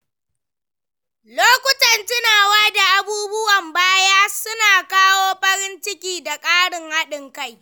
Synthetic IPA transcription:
loː˦kʷʊ˦tɐ˨ntɪ˦naː˨waː˦da˨ʔa˨buː˦bʊ˦wɐ˨mbaː˦jaː˦sʊ˦naː˨kaː˦woː˦ɸɐ˦ɾɪ˦nt͡ʃɪ˦kʲiː˨da˨kʼaː˦ɽɪ˨ŋha˦ɗɪ˨ŋka˦˨j

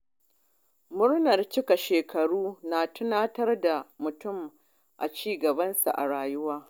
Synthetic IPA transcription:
mʊ˦ɽnɐ˨rt͡ʃɪ˦ka˨ʃeː˨kʰɐ˨ɽuː˦naː˨tʊ˦naː˦tɐ˦rda˨mʊ˨tʊ˦˨m | ʔa̰˨t͡ʃiː˦ɡɐ˨bɐ˦nsa̰˨ʔa̰˨ɽaː˨jʊ˦waː˦

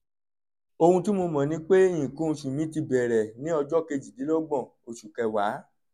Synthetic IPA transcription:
o˧hũ˧ti˦mo˧mɔ̃˨nĩ˨˦k͡pe˦jĩ˨kũ˦˧ʃũ˨mĩ˨˦ti˧bɛ˨ɾɛ˨nĩ˦ɔ˧d͡ʒɔ˦ke˧d͡ʒi˨di˨˦lɔ˦ɡ͡bɔ̃˦˨ | o˨ʃu˨kɛ˧wa˨˦

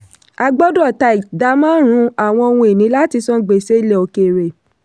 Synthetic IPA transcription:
a˧ɡ͡bɔ˦dɔ˦˨ta˧i˨da˧˦mãː˦ɾ̃ũ˨˧˦a˨w̃ɔ̃˧o˧wũ˧e˨nĩ˨˦la˦ti˧sɔ̃˦ɡ͡be˨se˦i˧˦le˨o˧ke˨ɾe˨

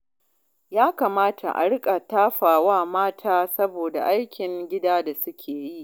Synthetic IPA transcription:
jaː˦ka˨maː˦tʰa̰˨ʔa̰˨ɽɪ˦kʼa˨taː˦ɸaː˨waː˦˨maː˦tʰaː˦sɐ˦boː˨da̰˨ʔa˦jkʲɪ˨ŋɡʲɪ˦daː˦da˨sʊ˦kʲʰeː˨ji˦˨ʔ

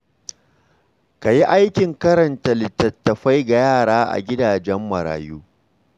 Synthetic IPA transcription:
ka˨ji˦ʔa˦jkʲɪ˨ŋkɐ˦ɾɐ˨ntɐ˨lɪ˨tɐ˨tːɐ˨ɸa˦jɡa˨jaː˦˨ɽaː˦ʔa̰˨ɡʲɪ˦daː˨d͡ʒɛ˦mːɐ˨ɾa̰ː˨juː˦

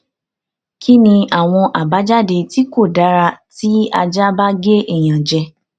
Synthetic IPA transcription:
kʰi˦nĩ˧a˦˨w̃ɔ̃˧ʔa˨ba˨˦d͡ʒa˦˨de˧ti˦ko˦˨da˨˦ɾa˧ti˦a˧d͡ʒa˦ba˦ɡe˦ɛ˦˨j̃ã˨d͡ʒɛ˧

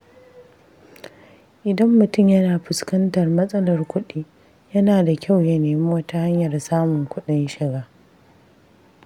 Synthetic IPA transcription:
ʔɪ˨dɐ˦mːʊ˨tʊ˦˨mjɐ˦naː˨ɸɪ˨skɐ˦ntɐ˨rmɐ˦sʼɐ˦lɐ˨rkʷʊ˦ɗiː˦ | jɐ˦naː˨da˨kʲʰa˦˨wjɐ˦neː˨mi˦wɐ˦ta˦ha˦ɲjɐ˨rsaː˦mʊ˨ŋkʷʊ˦ɗɪ˦nʃɪ˨ɡaː˦

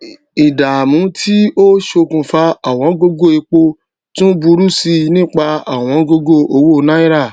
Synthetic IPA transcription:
i˨da˨mũ˨˦tʰi˦o˦ʃo˧kũ˧fa˧a˨w̃ɔ̃˨˧˦ɡo˦ɡo˦˨e˧k͡po˧ | tũ˦bu˧˦ɾu˦si˧nĩ˦˨k͡pa˧a˨w̃ɔ̃˨˧˦ɡo˧ɡo˦˨o˧˦wo˦˨˧nã˦i˦ɾa˦˨

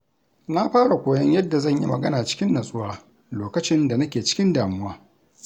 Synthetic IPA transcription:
na˦ɸaː˦ɽa˨kʷoː˨jɐ˦ɲjɐ˦dːa˨zɐ˦˨ɲjḭ˦mɐ˨ɡɐ˦naː˨t͡ʃɪ̥˦kʲɪ˦nːɐ˨sʼʊ˦waː˦ | loː˨kɐ˦t͡ʃɪ˦nda˨nɐ˦kʲeː˨t͡ʃɪ̥˦kʲɪ˦ndaː˨mʊ˦waː˦

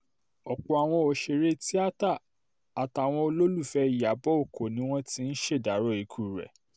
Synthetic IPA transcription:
ɔ˨k͡pɔ˧a˨w̃ɔ̃˧o˧ʃe˧ɾe˦ti˦a˦ta˦˨ | a˨ta˨w̃ɔ̃˧o˧lo˦lu˦˨fɛ˧i˨ja˨bɔ˦o˦˨ko˨nĩ˨˦w̃ɔ̃˦ti˦n̩˦ʃe˦˨da˨˦ɾɔ˦˨i˨˦kʰu˦˨ɾɛ̰˨

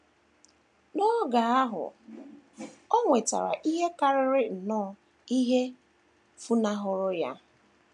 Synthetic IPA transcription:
nɔ˦ɡa˨a˦ɦʊ̰˨ | ɔ˦ŋʷe˨ta̰˨ɾa̰˨ʔi˦ɦe˦ka˦ɾɪ˦ɾɪ˦n̩˨nɔː˦ | i˦ɦe˦ | fu˦na˦ɦʊ˦ɾʊ˦ja̰˦

